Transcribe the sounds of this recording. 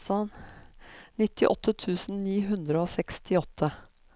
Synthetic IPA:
ɑn | nɪt̪ʰːɪʔɔ̰t̪ʰːət̪ʰʉːsn̩niːɦʉnd̪ɾəoːsɛkst̪ʰɪɔt̪ʰːə

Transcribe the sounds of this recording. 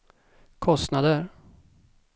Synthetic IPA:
kʰɔst̪nad̪əɾ

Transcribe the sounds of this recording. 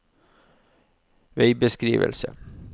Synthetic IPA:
ʋeɪbəskɾiːʋə̰lsə

